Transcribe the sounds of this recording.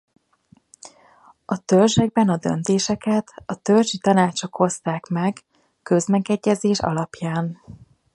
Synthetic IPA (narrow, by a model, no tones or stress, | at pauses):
ɒt̪ølʒɛɡ̚bɛnɒd̪ø̰n̪t̪eːʃɛkɛt̪ɒt̪ølʒit̪ɒnaːt͡ʃo̞kho̞st̪aːkmɛɡ | kø̞zmɛɡɛɟːɛzeːʃɒ̰lɒpjaːn